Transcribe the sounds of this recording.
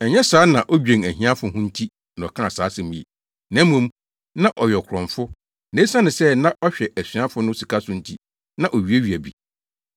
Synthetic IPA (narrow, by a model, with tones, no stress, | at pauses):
ɛ˨ɲɛ˦saː˦nã˨ʔɔ˦d͡ʑᶣẽ˨ŋæ˨ɦĩ˦ã˦fʊ˨ɦʊ̃˦n̩˦tʰi˦ | nã˨ɔ˨kʰã˦˨saː˨˦sɪ˨mĩ˨ḛ˨ | nã˨˦mũ˦m˦ | nã˦ʔɔ˨ɥɛ˨kʰʊ˨ɾɔ̃˨ɱfʊ˦ | nẽ˨˦sã˦nɪ̃˨sɛ˦nã˦ʔɔ˦ɕᶣɛ˨ʔæ˨sĩ˨˦ã˦fʊ˦nʊ̃˦si˨kʰa˦sʊ˦n̩˦tʰi˦ | nã˨ʔo˨ɥi˨˦e˦ɥi˨æ˨bi˨